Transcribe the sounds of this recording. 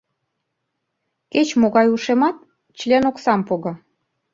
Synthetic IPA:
ket͡ɕmoɣɑjuʃemɑt̪̚ | t͡ɕlʲenoksɑmpoɣɑ

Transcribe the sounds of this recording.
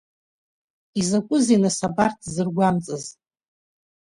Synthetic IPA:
izakʷʼʊzenɨsabartʰzɨrɡʷamt͡sʼɨz

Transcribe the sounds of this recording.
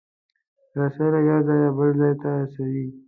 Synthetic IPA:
ɾasaɾajazɑjabəlzɑjt̪aasawi

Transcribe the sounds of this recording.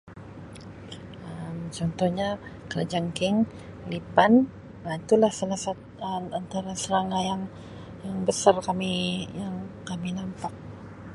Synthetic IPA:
əmt͡ʃɔnt̪ɔhɲakəlad͡ʒaŋkɪŋ | lipan | ait̪ulahsalasat̪ | əant̪aɾasəɾaŋajaŋ | jaŋbəsarkamijaŋkaminampak̚

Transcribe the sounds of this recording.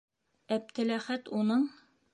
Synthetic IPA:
æp̚t̪ɘ̆læχæt̪unɤɴ

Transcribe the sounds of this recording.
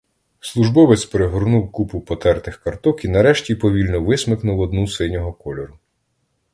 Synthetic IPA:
slˠuʒbɔʋɪt͡sʲpeɾeɦʊɾnuwkupʊpɔt̪ɛrt̪ɪxkɐrt̪ɔkinɐɾɛʃtʲipɔʋʲilʲnɔʋɪsmɪknʊwɔd̪nusɪnʲɔɦɔkɔlʲɔɾʊ

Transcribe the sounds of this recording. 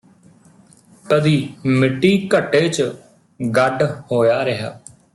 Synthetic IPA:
t̪əd̪iːmɪʈːiːkəʈːeːt͡ʃ | ɡəɖhoːjaːɾəɦa̰ː

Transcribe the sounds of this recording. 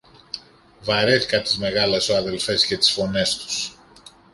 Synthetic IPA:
vɐɾe̞θi̥kɐt̪i̥zme̞ɣɐlesoɐðe̞lfe̞sce̞t̪i̥sfo̞ne̞st̪u̥s

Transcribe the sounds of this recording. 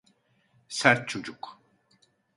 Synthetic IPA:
sæɾt̪̚t͡ʃʰod͡ʒuk

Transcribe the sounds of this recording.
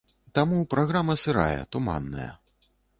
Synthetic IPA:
t̪amupɾaɣɾamɐsɨɾa̰jɛ̰t̪uma̰nːɐ̰jɐ̰

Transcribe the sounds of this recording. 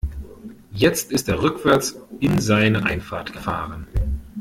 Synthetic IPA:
jɛt͡stɪstdeːɐʁʏkv̥ɛɐt͡sɪnzaɪnəʔa̰ɪnfaːɐtɡ̥əfa̰ːʁən

